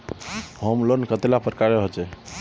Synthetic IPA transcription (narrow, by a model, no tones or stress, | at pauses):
ɦəmlənkət̪elapəɾkaɾeɦot͡ʃɛ